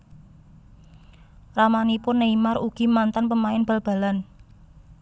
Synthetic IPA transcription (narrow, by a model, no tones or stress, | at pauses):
ramanipʊnːəimaruɡ̥i̤mant̪anpəmaɪnb̥a̤lb̥ä̤lan